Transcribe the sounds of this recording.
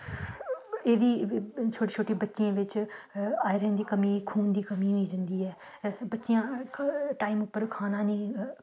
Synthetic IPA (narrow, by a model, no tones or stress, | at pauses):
eːd̪iːt͡ʃʰoːʈiːt͡ʃʰoːʈiːbətːʃijãːʋɪt͡ʃ | aːɪɾə̃ːnd̪iːkəmĩːkʰuːnd̪iːkəmĩːɦoiːd͡ʒə̃nd̪iːɛː | bətːʃɪjãːʈaːiːmʊpːəɾkʰaːnãːnĩː